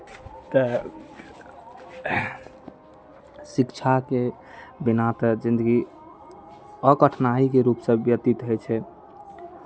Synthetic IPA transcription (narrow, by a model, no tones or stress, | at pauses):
t̪ə | sikt͡ʃʰake | binat̪d͡ʒind̪əɡi | əkəʈʰnaɦikeɾupsə̃bjət̪it̪ɦəjt͡ʃʰɛ